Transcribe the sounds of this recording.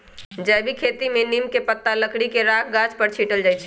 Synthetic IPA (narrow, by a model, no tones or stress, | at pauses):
d͡ʒəjbʱikʰeːt̪imẽnimkepət̪ːaləkɽikeɾaːkʰɡat͡ʃpəɾt͡ʃʰiʈəld͡ʒaːjt͡ʃʰ